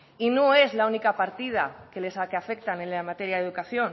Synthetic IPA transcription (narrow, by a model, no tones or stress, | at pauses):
inoe̞zlaunikapaɾt̪ið̞akelesakeafek̚t̪anenamat̪e̞ɾjaðe̞ðukaθjo̞n